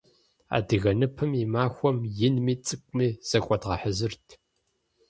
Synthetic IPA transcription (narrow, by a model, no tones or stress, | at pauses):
a̰ːdɨɣɐnɨpʰɨmimaːxʷɔmjɪnmiːt͡sʼɨkʷʼmiːz̥ɐkʷʼɔdʁɐħəzɨrtʰ